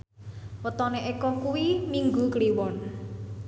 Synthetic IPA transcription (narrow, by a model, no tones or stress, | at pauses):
wət̪ɔneʔekɔkuwimiŋɡukəliwɔn